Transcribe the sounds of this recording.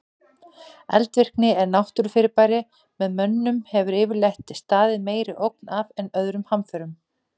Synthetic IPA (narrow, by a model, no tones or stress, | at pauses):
ɛ̰lt̪vɪr̥knɪɛɾnawht̪ʏɾ̥fɪɾɪpajɾɪ | mɛðmœnːʏmhɛvʏɾɪːvɪɾlejht̪ɪst̪aːðɪmeːjɾɪʔowk̚navɛnœðɾʏmhamfœɾʏm